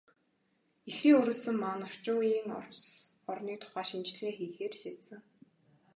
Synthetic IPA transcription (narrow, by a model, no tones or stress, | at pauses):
exiːŋɵɾuːsɵ̆mːanɔr̥t͡ɕʊːiːŋɔ̰rs | ɔrniːkt̪ʰʊ̥χaːʃimt͡ɕɮeːxiːxeːrʃiːt̪sɘ̆ŋ